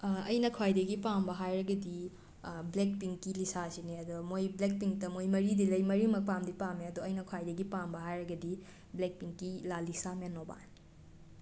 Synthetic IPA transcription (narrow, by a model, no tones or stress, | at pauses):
ɐjnɐkʰwajdɐɡipambɐɦajɾɐɡɐdi | blek̚piŋkilisasineɐd̪ɔmojblek̚piŋtɐmojmɐɾidilɐjmɐɾimɐk̚pamdipameɐdoɐjnɐkʰwajdɐɡipambɐɦajɾɐɡɐdi | blek̚piŋkilalisamenːoba̰n